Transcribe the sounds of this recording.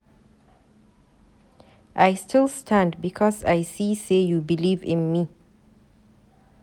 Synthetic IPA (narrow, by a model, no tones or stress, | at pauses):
ʔajstʰɪlˠstʰãndbikʰɔsajsisejubilivɪ̰̃nmi